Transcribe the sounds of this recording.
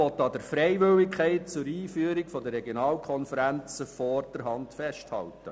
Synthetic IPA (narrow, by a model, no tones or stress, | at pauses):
ɔt̪ːɑd̪əɾfɾɛɪʋʏlɪkʰχɛɪt̚t͡sʊɾiːfyːəɾikfɔd̪ərɛɡjonɑːlkʰɔnfəɾænt͡səfɔrd̥əɾɦɑntfɛʃthɑ̰ltə